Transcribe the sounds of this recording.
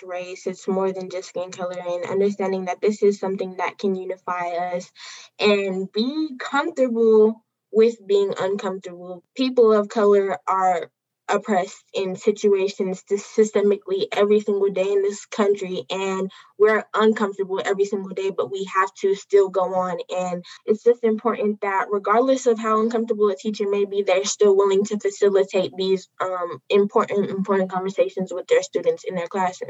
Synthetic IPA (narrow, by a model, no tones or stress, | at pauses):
ɹeɪsɨtsmɔɹðɨ̃nd͡ʒʌskẽɪ̃ŋkʰʌlˠə˞ɨ̃nʌ̰̃ndə˞s̬tæ̃ndɪ̃ŋðɨt̪̚ðɪsɨz̥sʌ̃mθɪ̃ŋðɨ̰t̚kʰɨ̃njʉnɨfaɪʌsʔɨ̃nbikʰʌ̃ɱftə˞bl̩ˠ | wɪðbiɪ̃ŋʔʌ̃nkʰʌ̃ɱftə˞bl̩ˠpʰipl̩ˠʌv̥kʰʌlˠə˞ə˞ | ʔəpʰɹ̥ɛstɪ̃nsɪt͡ʃʉeɪʃɨ̃nz̥tʰɨsɨstɛmɨkliʔɛvɹisɪ̃ŋɡl̩ˠdeɪɨ̃nðɪskʰʌ̃nt͡ʃɹ̥iʔɨ̃nwɪɹʔə̃nkʰʌ̃ɱftə˞bl̩ˠɛvɹisɪ̃ŋɡl̩ˠdeɪbʌt̚wiæftʰɨstɪlˠɡoʊə̃nɨ̃nɨtsd̥ʒ̥ʌstɨ̃mpʰɔɹʔn̩ðɨt̚ɹɨɡɑɹdˡləsʌv̥ɦaʊʌ̃nkʰʌ̃ɱftə˞bl̩ˠətʰit͡ʃə̃meɪbiðə˞stɪlˠwɪlˠɪ̃ŋtʰɨfɨsɪlˠətʰeɪt̪̚ðizʔʌ̃mɨ̃mpʰɔɹʔn̩tɨ̃mpʰɔɹʔn̩kʰɑ̃nɱvə˞seɪʃɨ̃n̩zwəðə˞stʉdⁿn̩tsɨ̃nðə˞kʰl̥æsɨ̰z̥